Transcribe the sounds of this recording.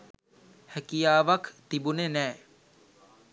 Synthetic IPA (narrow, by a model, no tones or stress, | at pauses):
hækijaːʋakt̪ibunenɛː